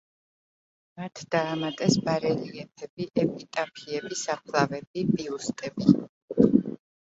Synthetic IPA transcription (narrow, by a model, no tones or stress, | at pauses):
mat̪ʰd̪̥aːmat̪ʼɛsbaɾɛliɛpʰɛbiʔɛpʼit̪ʼapʰiɛbisapʰlˠavɛbibʼiust̪ʼɛbi